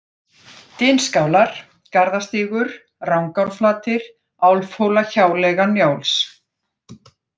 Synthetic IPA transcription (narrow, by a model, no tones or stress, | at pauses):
t̪ɪnskaːwlaɾ̥ | kaɾðast̪iːɣʏɾ̥ | rawŋkawɾ̥flaːt̪ɪɾ̥ | awlfowlaçaːwlɛɣanjaːwls